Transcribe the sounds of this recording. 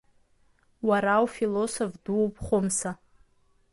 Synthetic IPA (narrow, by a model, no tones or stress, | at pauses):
waɾawfilosofdupʰʼχʷomsa